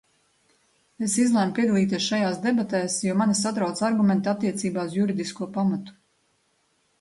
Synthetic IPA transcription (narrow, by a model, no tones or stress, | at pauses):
esizlˠɛmpiɛd̪alˠiːt̪iɛsʃajaːsd̪ebat̪ɛːsjuɔmanasat̪ɾawt̪saɾɡumɛnt̪at̪ːiɛt̪siːbaːuzjuɾid̪iskuɔpamat̪u̥